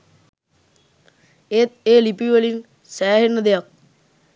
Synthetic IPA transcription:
et̪̚eːlipiʋəlin | sæːɦenːəd̪ejak̚

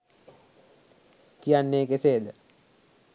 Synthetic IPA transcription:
kijanːeːkeseːd̪ə

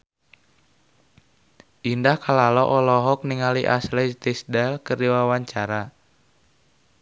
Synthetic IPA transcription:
ʔindahkalalɔʔɔlɔɦɔk̚niŋaliʔa̰slɛt̪ɛsdalkərdiwawaɲt͡ʃaɾa

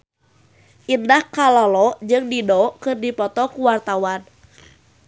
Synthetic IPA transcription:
ʔindahkalalɔd͡ʒɨŋdidɔkɨrdipɔt̪ɔkuwart̪awan

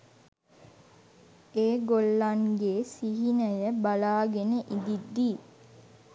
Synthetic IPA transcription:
eːɡolːaŋɡeːsiɦinəjəbalaːɡenəʔid̪id̪ːiː

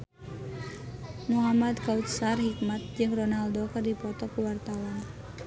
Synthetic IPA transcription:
muɦamad̪kaut̪̚sarhik̚mat̪̚d͡ʒɨŋrɔnaldokərdipɔt̪ɔkuwart̪awan

